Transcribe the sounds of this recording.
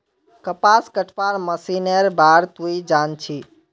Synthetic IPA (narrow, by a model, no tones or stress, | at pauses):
kəpaskəʈʰpaɾməsineɾbaɾt̪uid͡ʒant͡ʃʰi